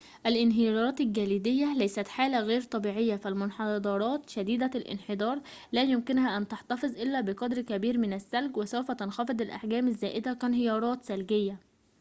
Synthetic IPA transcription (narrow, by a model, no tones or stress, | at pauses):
ʔælʔɪnɦɪjɑːɾˤɑːt̪ɪlɡæliːd̪ɪjːælæjsæt̪ħaːlæɣeːɾt̪ˤɑbiːʕɪjːæfælmʊnħɑd̪ˤɑɾˤɑːt̪ʃæd̪iːd̪ælʔɪ̰nħed̪ˤɑːɾˤ | læːjʊmkɪnhæʔænt̪ɑħt̪ɑfɨzˤʔɪlːæbɪqɑd̪ɾkæbiːɾmɪnæsːælɡwɪsæwfæt̪ɑnxɑfed̪ˤɪlʔa̰ħɡæːmæzːæːʔɪd̪ækænɦɪjɑːɾˤɑːt̪sælɡɪjːæ